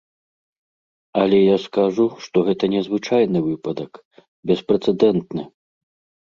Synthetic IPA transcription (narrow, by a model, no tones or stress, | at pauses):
ɐlʲɛjaskaʐuʂt̪ɔɣɛt̪ɐnʲɛzvɨt͡ʂajnɨvɨpɐd̪ɐk | bʲɛspɾɛt̪sɛd̪ɛnt̪nɨ